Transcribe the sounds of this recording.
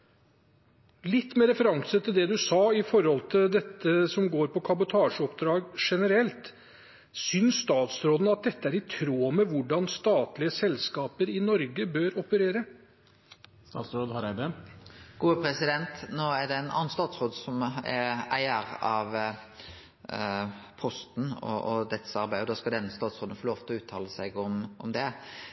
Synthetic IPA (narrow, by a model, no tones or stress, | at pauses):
lɪt̪ːmeːɾɛfəɾɑŋsət̪ʰɪld̪ɛd̪ʉsɑːɪfɔɾhɔlt̪ʰɪld̪ɛt̪ːəsɔmɡoːɾpɔkʰɑbʊt̪ʰɑːʂɔpd̪ɾɑːɡʂɛnəɾɛlt̪ | sʏnsst̪ɑːt̪sɾoːd̪n̩ɑt̪̚d̪ɛt̪ːəæɾɪt̪ʰɾoːmɛʋʊɖɑnst̪ɑːt̪lɪəsɛlskɑːpəɾɪnɔɾɡəbøːɾɔpəɾeːɾə | st̪ɑːt̪sɾoːd̪hɑɾɛd̪ɛɡ̥uːəpʰɾɛsɪd̪ɛnt̪noːæɖɛæɪnɑ̰nənst̪ɑːt̪sɾoːd̪sɔmɛæɪəɾɑʋ | pʰɔst̪n̩ɔ̰ʔɔd̪ɛt̪sɑɾbæɪɔd̪ɑːskɑld̪ɛnːəst̪ɑːt̪sʁoːd̪n̩fɔːloːʋt̪ʰɪlɔʉːt̪ʰɑːləsæɡɔmɔmd̪ɛ